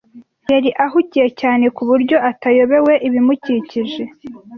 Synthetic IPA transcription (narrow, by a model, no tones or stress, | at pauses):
jaɾiʔaɦucije̞caːne̞kuβuɾɟo̞ʔatajo̞βe̞we̞ʔiβimuciciʒe̞